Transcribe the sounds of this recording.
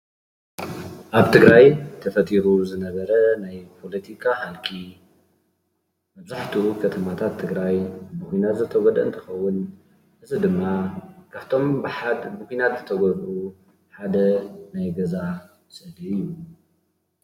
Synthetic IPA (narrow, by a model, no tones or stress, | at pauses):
ʔaβt̪ʰɨɡɾajt̪ʰɐfɐt̪ʼiɾuzɨnɐβɐɾɐnajpʰo̞lɐt̪ʰikʰahalkʰi | mɐβzaħt̪ʰukʰɐt̪ʰɐmat̪ʰat̪ʰːɨɡɾajbɨkʷinat̪zɨt̪ʰɐɡɔd̪ɐ̰ʔɨnt̪ʰɐ̥xɐwːʊn | ʔɨzɨd̪ɨmːakʰaβt̪ʰo̞mbħabɨkʷinat̪zɨt̪ʰɐɡɔd̪ʔu | ħad̪ɐnajɡɐza | sɐd̪iɨjːu